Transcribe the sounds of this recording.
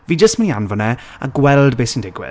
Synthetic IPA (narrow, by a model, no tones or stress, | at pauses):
viːd͡ʒəstmənianvɔnɛ | a̰ɡwɛlˠdbeːsəndɪɡwɪ̰